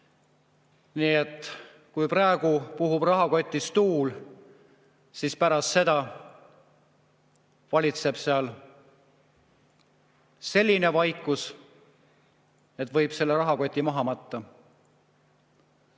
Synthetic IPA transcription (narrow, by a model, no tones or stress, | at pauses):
niːe̞t̪ˑ | kujprɑeɡ̥upuɦubrɑɦɑko̞t̪ʲːist̪uːl | sispæɾɑst̪se̞d̪̥ɑ | vɑlʲit̪se̞b̥seɑl | se̞lʲːine̞vɑjkːˑus | et̪ːˑvɤ̞jb̥se̞lːe̞ɾɑɦɑko̞t̪ʲːˑimɑɦɑmɑt̪ːɑ